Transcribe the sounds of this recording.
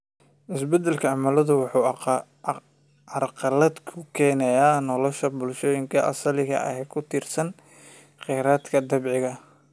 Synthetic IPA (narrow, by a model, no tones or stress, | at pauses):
ʔɪsbɛd̪ɛlkʰɐɑmɐlɐðʊwɑħuː | ɐrqɑlɐd̪kʰʊkʰɛːnɛjaːnɔlɔʃɐbʊlʃɔːjɪŋkʰɐʔɐ̰sɐlɪɣɐ̰ʔɐ̰hɛkʰʊt̪ʰiːrsɐn | qɛːɾaːd̪kʰɐd̪ɐbʕɪɣɐ